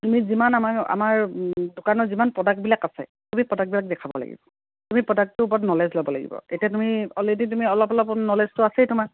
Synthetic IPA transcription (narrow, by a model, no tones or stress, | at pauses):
tumizimanamaka̰maɹdʊkanɔzimanpɹɔdak̚bilakasɛ̰tumipɔdak̚bilak̚dɛkʰabɔ̰la̰ɡḭbɔ | tumipɹɔdak̚tʊup̬ɔɔtnɔlɛzlɔbɔla̰ɡḭbɔ̰etiatumiɔledit̬umiɔlɔpɔlɔpnɔleztʊasɛjtumak